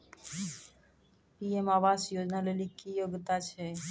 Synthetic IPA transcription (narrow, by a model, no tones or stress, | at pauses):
piemaʋasjod͡ʒnalelikijoɡt̪at͡ʃʰɛ